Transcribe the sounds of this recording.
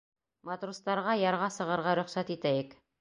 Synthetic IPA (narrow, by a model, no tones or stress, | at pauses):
mat̪rust̪ɑɾʁɑjɑɾʁɑsɤ̆ʁɤ̆ɾʁɑɾɵ̆χsæt̪it̪æjɘk